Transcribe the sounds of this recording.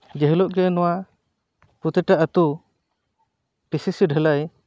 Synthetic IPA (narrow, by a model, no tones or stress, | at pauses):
d͡ʒɛɦilɔʔɡɛnɔwa | put̪ɛʈaʔət̪u | pisisiɖʱəlaj